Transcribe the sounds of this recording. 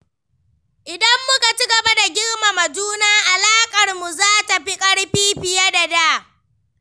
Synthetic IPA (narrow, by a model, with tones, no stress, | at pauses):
ʔɪ˨dɐ˦mːʊ˦ka˨t͡ʃi˦ɡɐ˨ba˦da˨ɡʲɪ˦ɽma˨mɐ˨duː˦naː˦ʔa˨laː˦kʼɐ˨rmu˨zaː˦ta˨ɸi˦kʼɐ˦ɽɸiː˦ɸɪ˨ja˦da˨daː˦